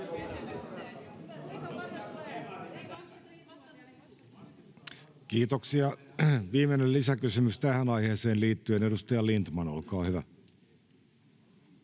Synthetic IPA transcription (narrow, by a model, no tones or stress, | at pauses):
kiːt̪oksiɑʋiːmenellisækysymyst̪æhænɑjheːseːnliːt̪ːyene̞dust̪ɑjɑlint̪mɑnolkɑːhyʋæ